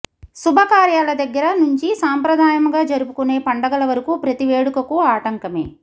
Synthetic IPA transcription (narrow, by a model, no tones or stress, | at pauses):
subʱɐkaːɾjaːlɐd̪ɐɡːɐɾɐnuɲt͡ʃisaːmpɾɐd̪ʱaːjɐmɡaːd͡ʒɐɾupukune̞ːpɐɳɖɐɡɐlɐʋɐɾɐkuːpɾɐt̪iʋeːɽukɐkuaːʈɐŋkɐme̞̰ː